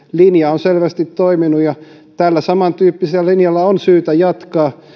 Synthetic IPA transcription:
linjɑonselʋæst̪it̪toiminujɑ | t̪ælːæsɑmɑnt̪yːpːiselːælinjɑlːɑonsyːt̪æjɑt̪kɑː

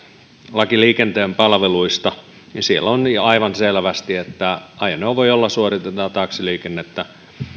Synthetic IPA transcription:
lɑkiliːkent̪eːmpɑlʋeluist̪ɑ | ninsielonɑiʋɑnselʋæst̪iet̪ːæɑiɑneoʋʋoiolːɑsuorit̪et̪ɑt̪ɑːksiliːkenːet̪ːæ

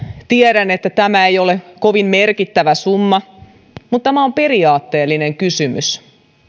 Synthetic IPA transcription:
t̪ieɾænet̪ːæt̪æmæejolekoʋimmerkit̪ːæʋæsumːɑ | mut̪t̪ːæmæompe̞riɑːt̪ːeːlːineŋkysymy̰s

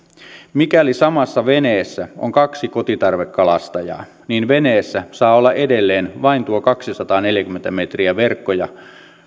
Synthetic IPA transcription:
mikælisɑmɑsːɑʋe̞neːsːæo̰ŋkɑksiko̞t̪it̪ɑrʋekːɑlɑst̪ɑjɑ̰ː | niːnʋe̞neːsːæsɑːolːɑʔede̞lːe̞ːnʋɑint̪uokɑksisɑt̪ɑːne̞ljækymːent̪æme̞t̪riæʋe̞rkːojɑ

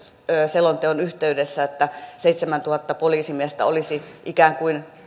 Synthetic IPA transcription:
øːselont̪eonyht̪eydesːæet̪ːæseit̪semænt̪uhɑt̪ːɑpoliːsimiest̪æ̰olisiʔikæːŋkuin

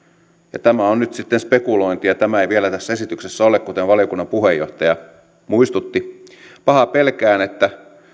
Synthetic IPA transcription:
jɑt̪æmæonnyt̪sit̪ːenspe̞kulo̞int̪ijɑt̪æmæejʋielæt̪æsːæesit̪yksesːæo̞lekkut̪eʋʋɑlijokunːɑmpuɦejːo̞ht̪ɑjɑ | muist̪ut̪ːi | pɑhɑpe̞lkæːnet̪ːæ

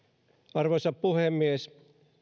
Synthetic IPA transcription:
ɑrʋosɑppuhemːies

